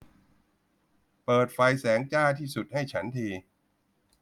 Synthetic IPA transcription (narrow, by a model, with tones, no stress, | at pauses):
pɤː˨˩t̪̚fa˧jsɛː˩˦ŋt͡ɕaː˥˩t̪ʰiː˥˩su˨˩t̪̚ha˥˩jt͡ɕʰa˦˥nt̪ʰiː˧